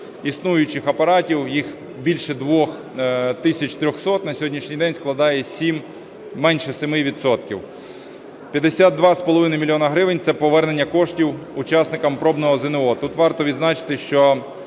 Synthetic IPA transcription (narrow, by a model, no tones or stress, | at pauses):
isnujʊt͡ʃɪxɐpɐɾɑtʲiwjix | bʲilʲʃɛd̪ʋɔx | t̪ɪsʲɐt͡ʃt̪ɾʲɔxsɔt̪nɐsʲɔɦɔdʲnʲiʃnʲijd̪ɛnʲsklˠɐd̪ɑjɛsʲimː | ɛnʲʃɛsemɪʋʲid̪sɔt̪kʲiw | pʲjɐd̪esʲat̪̚d̪ʋɑspɔlˠɔʋɪnɐjmʲilʲjɔnɐɦɾɪʋɪnʲt̪sɛpɔʋɛrne̞nʲːɐkɔʃtʲiwʊt͡ʃɑsnɪkɐmpɾɔbnɔɦɔzɪneɔt̪ut̪ʋɑrt̪ɔʋʲid̪znɑt͡ʃɪ̥t̪ɪʃt͡ʃɔ